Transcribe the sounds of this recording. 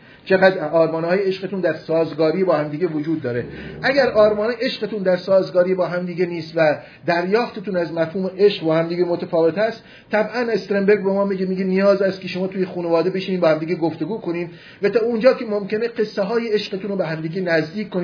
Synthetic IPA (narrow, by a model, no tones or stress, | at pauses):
t͡ʃʰe̞ɣæd̪ɒːɾmɒːnɒːjeeʃqet̪und̪æɾsɒːzɡɒːɾiːbɒːhæmd̪iːɟevod͡ʒuːd̪̚ːɒːɾeʔæɟæɾɒːɾmɒːneʔe̞ʃɢet̪ʰund̪æɾsɒːzɡɒːɾijebɒːɦæmd̪iːɡeniːst̪væ | d̪æɾjɒːft̪et̪ʰuːnæzmæfhuːmeʔeʃqbɒːhæmd̪iːɡemot̪ʰæfɒːve̞t̪æst̪ | t̪ʰːæbʔænest̪ɾembe̞ɾɡbemɒːmiɟemiːɡenijɒːzæst̪kʰeʃomɒːt̪uːjexuːnevɒːd̪ebeʃiniːbeːhæmd̪iːɡeɡoft̪e̞ɡuːkʰo̞niːm | væt̪ʰɒːund͡ʒɒːkʲʰe̞momce̞ne̞ɢe̞sːeɦɒːjeeʃɢet̪ʰuːnɾobeɦæmd̪iːɡenæzd̪iːkʰkːoni